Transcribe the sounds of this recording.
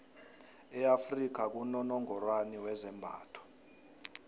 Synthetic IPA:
ɛafrik̬ʰak̬unɔnɔŋɔrwaniwɛzɛmbʱaːtʰɔ̥

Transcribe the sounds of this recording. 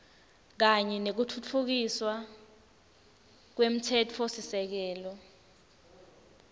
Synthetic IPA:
k̬aɲɛnek̬utʰut͡fʰuk̬iswa | k̬wem̩tʰɛtʰosisɛk̬ɛːlɔ

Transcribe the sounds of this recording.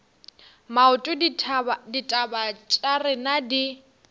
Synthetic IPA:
maʊtʼʊ | ditʼabat͡ʃʼarɪnadi

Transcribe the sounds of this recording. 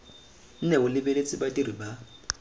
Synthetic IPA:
n̩nɛʊlɪbelet͡sʼibatʼiɾiba

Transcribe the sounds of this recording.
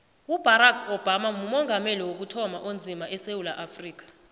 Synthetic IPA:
ub̥ʱaɾakʰɔb̥ʱamamumɔŋʱameliwok̬utʰɔmaʔond͡zʱimaʔɛsewulaʔafriːk̬ḁ

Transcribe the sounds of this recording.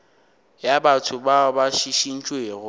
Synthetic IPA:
jabatʰʊbabaʃiʃin̩t͡ʃʼweːɣʊ

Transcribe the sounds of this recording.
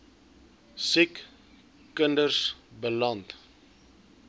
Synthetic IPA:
sikː | əndərsbəlɐnt

